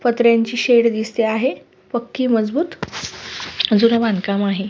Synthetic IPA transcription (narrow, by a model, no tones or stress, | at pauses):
pət̪ɾjaɲt͡ɕiːɕeɽd̪ist̪eaɦe | pəkːiːməd͡zbuːt̪ | d͡zuɾəʋankamaɦe